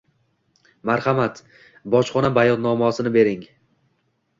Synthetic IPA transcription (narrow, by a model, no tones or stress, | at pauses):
maɾχamat̪ | bɒt͡ʃχɒnabajɒd̪nɒmɒsɪnɪbe̞ɾɪŋ